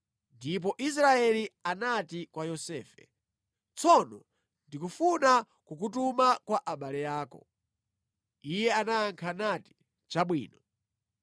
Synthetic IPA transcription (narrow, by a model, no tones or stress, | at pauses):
ndip̬ɔʔis̬ɾaɛlianatikwajɔsɛ̰ːfɛ̰ | t͡sɔnɔ | ndikufuna | kuk̬utumakwaʔaɓalɛjaːkɔ̰ | ijɛanaːŋkʰanati̥ | t͡ʃaɓwḭːnɔ